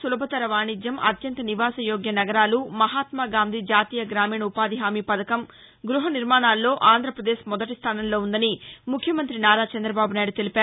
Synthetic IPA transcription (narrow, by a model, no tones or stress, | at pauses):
sulɐbʱɐt̪ɐɾɐʋaːɳid͡ʒ̪jɐmʔɐ̰t̪jɐnt̪ɐniʋaːsɐjoːɡjɐnɐɡɐɾaːlumɐɦaːt̪maːɡaːnd̪ʱid͡ʒaːt̪iːjɐɡɾaːmiːɳɐupaːd̪iɦaːmiːpɐd̪ɐkɐm | ɡɾuɦɐniɾmaːɳaːlːo̞ːʔaːnd̪ʱɾɐpɾɐd̪eːʃmɔd̪ɐʈist̪ʰaːnɐmlo̞ːund̪ɐnimukʰjɐmɐnt̪ɾinaːɾaːt͡ʃɐnd̪ɾɐbaːbunaːjɽut̪e̞lipæaːɾu